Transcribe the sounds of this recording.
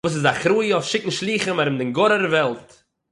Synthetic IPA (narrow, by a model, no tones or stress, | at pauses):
uːs̬ɪzaχɾuːjəɔfʃɪkn̩ʃlˠiːχəmaɾɪmdɪŋɡɔɾəɾvɛlˠt